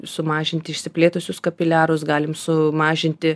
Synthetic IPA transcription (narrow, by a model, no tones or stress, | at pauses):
sʊmɑːʒʲɪnʲt̪ʲɪɪʃʲsʲɪpʲlʲeːt̪ʊsʲʊskɐpʲɪlʲæːɾʊsɡɑːlʲɪmsʊmɑːʒʲɪnʲt̪ʲɪ